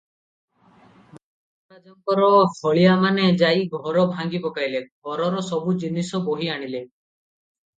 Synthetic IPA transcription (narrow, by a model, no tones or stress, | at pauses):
ma | ɾad͡ʒɔŋkɔɾɔhɔɭiamaned͡ʒajɡʱɔɾɔbʱaŋɡipɔkajleɡʱɔɾɔɾɔsɔbud͡ʒinisɔboɦiaɽ̃ile